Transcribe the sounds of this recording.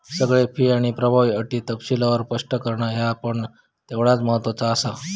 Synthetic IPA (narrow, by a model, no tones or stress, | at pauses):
səɡɭepiːaɽ̃ipɾəbʱaʋiːəʈit̪əpsilaʋəɾpəʂʈəkəɾɳaɦjaːpəɳ | t̪eʋɭat͡sməɦət̪ʋət͡saːsa